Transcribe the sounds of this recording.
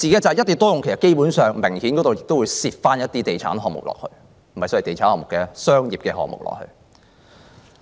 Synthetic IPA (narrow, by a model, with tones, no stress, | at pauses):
t͡siː˨ke˨˥t͡sɐ˨jɐ˥t̪ːi˨˩t̪ɔː˥jʊ˨ŋkʰe˨˩sɐ˨tke˥jpu˨˥nsœː˨ŋme˨˩ŋhiː˨˥nkɔː˨˥t̪o˨wjɪ˨k̚t̪o˥wu˨˧jsiː˧p̚faː˥njɐ˥t̚t̪iː˥t̪e˨jt͡sʰa̰ː˨˥nɦɔː˨ŋmʊ̰˨k̚lɔ̰ː˨k̚hɵ̰˧ɥ | mm̩˩˨˩hɐ˨jsɔː˨˥˨t̪e˨jt͡sʰaː˨˥nhɔː˨˧ŋmʊ˨kɛː˧sœː˥ŋjiː˨p̚kɛː˧ɦɔ̰ː˨k̚mʊ̰˨˩klɔ̰ː˨k̚hɵ̰˧ɥ